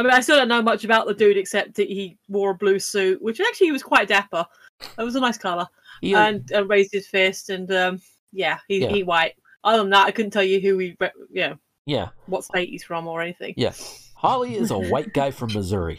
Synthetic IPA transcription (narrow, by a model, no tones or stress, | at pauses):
aɪmĩnaɪstɪlˠdəʊnoʊmʌt͡ʃɨbaʊʔ̪̚ðədʉɾɨksɛp̚t̪̚ðɨʔ̚hi | wɔɹəblʉsʉˑʔ̚wɪt͡ʃæk̚t͡ʃʉl̩ˠiiwʌz̥kʰw̥aɪt̚d̥æpə | ɪt̚wʌzənaɪskʰʌlˠə˞ | ə̃nə̃ɹeɪzdɨd̥fɛstɨ̃nʌ̃m | jæhihiwaɪt̚ | ʔaə̃nðətaɪkʰʊdⁿn̩tʰɛlˠjɨɦʉwiɹɛʔjɨnoʊ | jæ̰wʌtsteɪʔḭz̥fɹʌ̃mə˞ɛniθɪ̰̃ŋjæ̰hɑlˠiɪzə̰waɪt̚ɡ̥aɪfɹə̃mːəzʊ̰ɹḭ